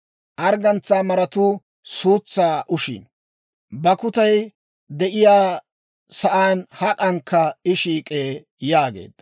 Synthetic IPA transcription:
ʔɐɾɡɐnt͡saːmɐɾɐt̪ʊː | suːt͡sːaːʔʊʃḭn | bɐkʊt̪ɐj | d̪ɛʔɪjaː | sɐʔaːnhɐkʼɐŋkʰːɐɪʃiːkʼeː | jaːɡḛːd̪̥

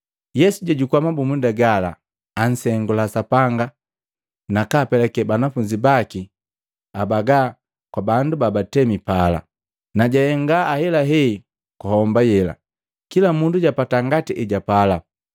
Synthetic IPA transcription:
jɛsuɟaɟukwamabumundaɡala̰ː | n̩sɛŋɡulasapaŋɡa | nakaːpɛlɛkɛbanafuɲd͡ʒibaki | abaɡa | kwabandubabatɛmipala̰ | naɟajɛŋɡaːhɛlaɦɛi | kuhɔmbajɛla̰ | kilamunduɟapataŋɡatiʔɛɟapala

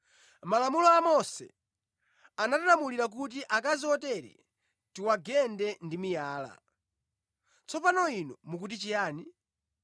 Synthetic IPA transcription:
malamulɔamɔsɛ̰ | anatalamuliɾak̬ut̬iʔakaziɔtɛɾɛ̰ | tiwaɡɛndɛndimijaːla̰ | t͡sɔpanɔinɔmuk̬ut̬it͡ʃijaːni

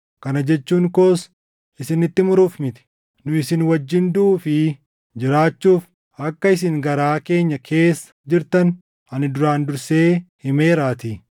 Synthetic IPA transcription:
kɐnɐd͡ʒɛt͡ʃːuːŋkoːs | ɪsɪnɪt̪ːɪmʊɾuːfmɪt̪ɪ̥ | nʊɪsɪnwɐd͡ʒːɪnd̪ʊːfɪ | d͡ʒɪɾaːt͡ʃːuːf | ɐkːɐɪs̬ɪŋɡɐɾaːke̞ːɲːɐkʰe̞ːsːɐ̥d͡ʒɪɾt̪ɐn | ɐnɪd̪ʊɾaːnd̪ʊɾse̞ːhɪme̞ːɾaːt̪i

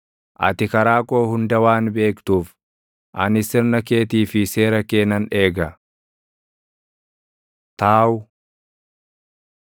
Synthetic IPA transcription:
ʔɐ̰t̪ɪkɐɾaːko̞ːhʊnd̪ɐwaːnbe̞ːkt̪uːf | ʔɐnɪsɪɾnɐke̞ːt̪iːfɪse̞ːɾɐkeːnɐne̞ːɡɐ | t̪aːwʊ

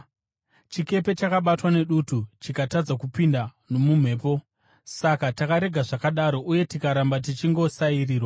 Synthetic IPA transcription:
t͡ʃike̞pe̞t͡ʃakaɓatwane̞ɗutut͡ʃikatad͡zakupinda | no̞mum̤e̞ːpo̞ | sakatakaɾe̞ɡʱaʐakaɗaɾo̞ʔuje̞tikaɾambat̬it͡ʃiŋɡo̞sairiːrwa

